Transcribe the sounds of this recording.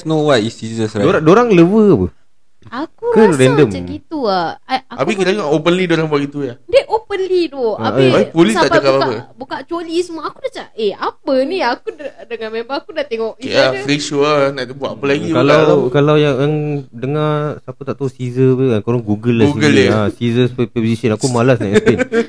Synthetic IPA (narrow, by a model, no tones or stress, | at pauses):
snowat̪isizəsɾadoɾadoɾaŋləwəapə | akukəɾɛndəmaɡit̪uaaaabikilad͡ʒaŋopənlidoɾaŋbaʔɡit̪ujadeʔopənlidoapolitaʔd͡ʒakapaapəbukaʔt͡ʃolisəmuaakudat͡ʃaeapəniakuddəŋãmembaakudaʔt̪eŋɔʔafɾiʃunaʔbuat̪apəlaɡialawkalawjajaŋdəŋasapət̪aʔt̪ausizəaŋkoɾɔŋɡuɡəlaɡuiɡəlasizəspozisənakumalasaʔɛt̪en